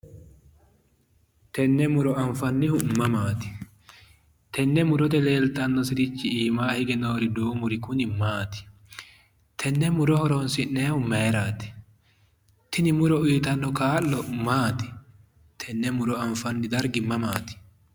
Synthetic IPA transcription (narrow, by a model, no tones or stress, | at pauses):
t̪ɛnːɛmʊɾɔɐɱfɐnːɪhʊmːɐmaːt̪ɪ̥ | t̪ɛnːɛmʊɾɔt̪ɛle̞ːlt̪ʼːɐnːɔsɪɾɪt͡ʃːɪiːmaːhɪɡɛnoːɾɪd̪oːmʊɾɪkʊnɪmaːt̪ɪ̥ | t̪ʰɛnːɛmʊɾɔhɔɾɔnsɪnneːhʊmɛːɾaːt̪ɪ̥ | t̪ɪnɪmʊɾɔiːt̪ɐnːɔkaːlːɔmaːt̪ɪ̥ | t̪ʰɛnːɛmʊɾɔɐɱfɐnːɪd̪ɐɾɡɪmɐmaːt̪ɪ̥